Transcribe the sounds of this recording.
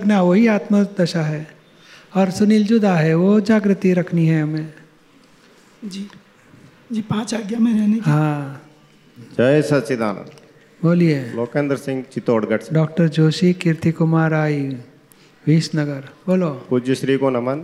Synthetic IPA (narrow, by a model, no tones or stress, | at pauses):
ɐɡnaʋoɦiaːt̪məd̪ɐʃaɦɛː | ɔːɾsʊniːld͡ʒod̪aɦɛʋod͡ʒaːɡɾɪt̪ːiɾɐkʰniɦɛɦɐmẽ | d͡ʒiː | d͡ʒiːpãːt͡ʃaːɡjamẽɛneɦãː | d͡ʒɐesɐtsid̪a̰ːna̰ | boːlieloːkẽnd̪əɾsɪ̃ŋɡt͡ʃɪt̪oːɽɡɐʈsɖɔːk̚ʈəɾd͡ʒoːʃikɪɾt̪ikʊmaːɾaːi | ʋiːsnɐɡəɾboːlokud͡ʒuʃɾiːkonɐmən